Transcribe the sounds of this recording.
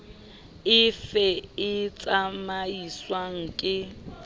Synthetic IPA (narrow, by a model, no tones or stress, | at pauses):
ɪfɛɪt͡sʼamaiswaŋ̩kʼɪ